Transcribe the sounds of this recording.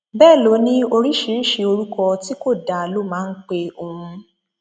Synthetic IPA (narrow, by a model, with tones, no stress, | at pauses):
bɛː˦˨lo˨˦nĩ˦o˧ɾi˦ʃi˨˦ɾi˦˨ʃe˧o˧ɾu˦kɔ˧ti˦ko˦˨da˨lo˦mãː˦˧n̩˦k͡pe˧o˧hũ˧